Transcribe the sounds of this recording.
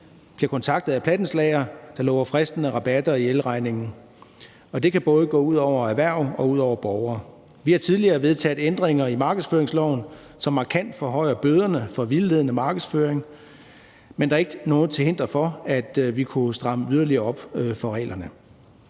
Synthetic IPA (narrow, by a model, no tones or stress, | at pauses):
b̥liɐkʰɒ̽nt͡sʰɑ̈ɡ̥d̥ð̩ˠæpʰlæd̥n̩slɛɪɐd̥ɑ̈lɔ̰ːʊɐfʁɛsd̥n̩əʁɑ̈b̥æd̥ɐielʁɑ̈ɪne̝ŋn̩ | ɒ̽d̥e̝kʰæb̥ɔ̽ːð̞ˠəɡ̥ɔ̰̽ːuð̞̰ˠɒʊ̰ɐæʋæɐ̰ɒ̽uð̰ˠɒʊɐb̥ɒʊɐː | ʋihɑ̈t͡sʰiðˠliɐːʋe̝ðˠt͡sʰɛ̰ːð̩ˠend̥ʁeŋɐimɑ̈ːɡ̥əðˠsføːɐeŋslɒʊn̩ | sɒ̽mːɑ̈kʰæn̰d̥fɒ̽ɦɒɪ̰ɐb̥øːð̞ˠɐnəfɒ̽ʋilːe̝ð̞ˠnəmɑ̈ːɡ̥ð̩ˠsføːɐeŋ | mend̥ɑ̈ːe̝ɡ̥nɔ̽ːð̩ˠt͡sʰe̝he̝n̰d̥ʁɐfɒ̽æd̥ʋikʰusd̥ʁɑ̈məyð̞ˠɐliɐːɒ̽b̥fɒ̽ʁɛ̰ːlɐnə